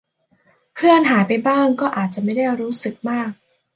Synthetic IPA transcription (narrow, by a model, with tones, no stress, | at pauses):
kʰɯ˥˩ənɦaː˩˦jpa˧jbaː˥˩ŋkɔː˥˩ʔaː˨˩t̪̚t͡ɕa˨˩ʔma˥˩jda˥˩jɾuː˦˥sɯ˨˩k̚maː˥˩k̚